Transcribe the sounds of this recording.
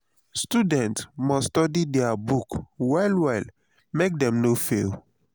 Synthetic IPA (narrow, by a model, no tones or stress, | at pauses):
studɛ̃ntsmɔsstɔdidɛabukwaɪlwaɪl | mek̚dɛ̃mnofḛl